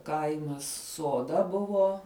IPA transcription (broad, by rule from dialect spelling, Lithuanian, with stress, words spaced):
ˈkɐɪmɐs soːˈdɐ ˈbʊʋoː